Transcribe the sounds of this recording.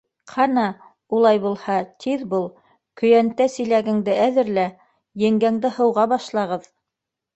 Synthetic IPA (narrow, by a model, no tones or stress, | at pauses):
qʰɑnɑ | ulˠɑjbulˠhɑt̪ʰiðbulˠ | kɵ̆jænt̪æsɘ̆jlæɡɘ̆ŋd̪ɘʔæðɘ̆ɾlæ | jɘ̆ŋɡæŋd̪ɘhɤ̆wʁɑbɑʃlˠɑʁɤð